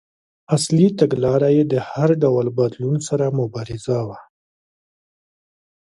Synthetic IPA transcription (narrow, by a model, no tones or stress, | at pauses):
aslit̪aɡlɑɾajed̪əhaɾɖawlbad̪lunsaɾamʊbɑɾɪzawa